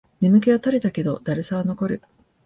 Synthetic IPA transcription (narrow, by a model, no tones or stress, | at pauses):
nʲimɯ̟k̬e̞βat̪o̞ɾʲet̪ake̞d̪o̞d̪̥aɾɯsaβano̞ko̞ɾɯ̟